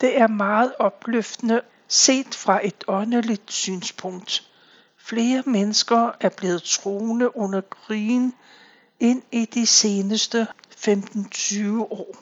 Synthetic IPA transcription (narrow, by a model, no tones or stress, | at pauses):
d̥e̝æɐmɑ̈ːð̞̩ˠɒ̽b̥løfd̥ənə | se̝̰ːd̥fʁɑ̈ʔe̝d̥ɒ̽nəlid̥sy̰ːnspʰɔ̽ŋ̰d̥ | fle̝ːɐmenəsɡ̥ɐæɐb̥le̝ːð̞̩ˠt͡sʰʁo̝ːnəʔɔ̽nɐɡ̥ʁiːn | e̝nid̥ise̝ːnəsd̥əfemd̥n̩t͡sʰyːʊəʔɒ̰ː